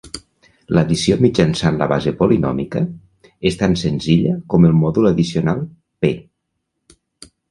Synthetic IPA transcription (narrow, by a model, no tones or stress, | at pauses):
ləðisiomid͡ʒənsanlə̰βazepolinɔ̰mikə | est̪ansənziʎəkɔməlˠmɔðuləðisionalˠ | pe